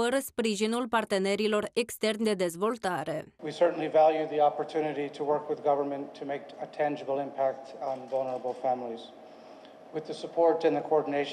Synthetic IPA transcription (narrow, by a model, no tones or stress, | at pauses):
əɾəspɾiʒinulpart̪e̞ne̞ɾilo̞rekst̪e̞rnd̪e̞d̪e̞zvo̞lt̪aɾe̞wisɜ˞ʔn̩lˠivælˠjʉðiɑpə˞tʰʉnɨɾiɾəwɜ˞kwɨðɡʌvə˞mə̃ntʰɨmeɪkətʰæ̃nd͡ʒəbl̩ˠɪ̃mpʰæk̚tn̩vʌlˠnə˞əbl̩ˠfæ̃mlˠiz̥ | wɨðɨsəpʰɔɹɾɨ̃nðɨkʰoɔɹdⁿn̩eɪʃ